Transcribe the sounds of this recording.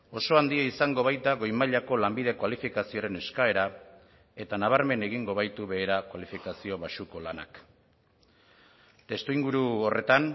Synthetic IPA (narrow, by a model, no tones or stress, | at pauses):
o̞so̞and̪iaisaŋɡo̞β̞ajt̪aɣo̞jmaʎako̞lambið̞e̞kwalifikasio̞ɾe̞ne̞skae̞ɾa | e̞t̪anaβaɾme̞ne̞ɣiŋɡo̞βajt̪uβe̞ːɾakwalifikasio̞βaʃuko̞lana̰k | t̪e̞st̪uiŋɡuɾuore̞t̪an